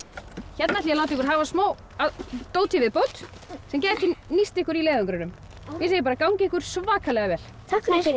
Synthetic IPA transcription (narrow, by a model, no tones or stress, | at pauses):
çɛt̪nat̪iːalaw̪t̪̬ɪhkʏɾ̥ɦaːvasmoːw | at̪owlt̪ʰivɪðpowt̪ | sɛmcɛːðɛt̪ɪnist̪ɪhkʏɾilɛːðʏŋkɾʏnʏm | mjɛseːjɪpaːɾakawŋcɪɪhkʏɾ̥svaːkʰalɛɣavɛl | t̪ʰak